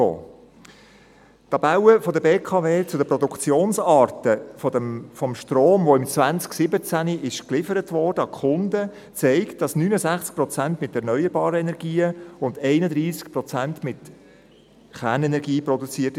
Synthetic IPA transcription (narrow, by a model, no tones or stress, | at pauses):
o̰ː | t̪ɑb̥awəfɔdəbeːkʰɑveːt͡sʊdəpɾɔd̪ukt͡sjoːnsɑːɾtəfɔdəfɔmʃtroːmvoɪmt͡svænt͡sksɪbət͡sæniʔɪʃklɪfəɾətʋɔɹdəɑkχʊnd̪ə | t͡sɛɪkt̚d̥ɑsnyːnəzæχt͡sk̚prɔt͡sæntmɪtɛɾnœʏəɾbɑːɾəɛnɛɾɡiːəʊndɛɪnəd̪ɾiːskpɾɔt͡sæntmɪt | χæːnɛnɛɾɡiːprɔdut͡siət